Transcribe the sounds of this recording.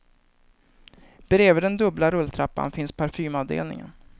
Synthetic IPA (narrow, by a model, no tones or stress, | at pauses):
b̥ɾeːvəd̪ɛnd̪ɵblaɾɵlːt̪ʰɾapːa̰nfɪnspʰaɾfyːmaːvd̪ḛːlnɪ̰ŋə̰n